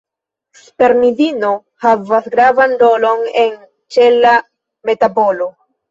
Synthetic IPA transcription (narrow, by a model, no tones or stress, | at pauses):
spe̞ɾmidino̞ | havasɡɾavando̞lo̞ne̞n | t͡ʃe̞la | me̞tabo̞lo̞